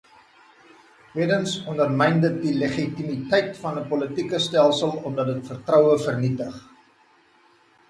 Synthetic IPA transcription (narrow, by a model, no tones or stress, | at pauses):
twiədənsɔndərmɛjndət̚diləχitimitɛjtfɐnəpɔlətikəstælˠsəlˠɔmdɐt̚dətfərtrœwəfərnitəχ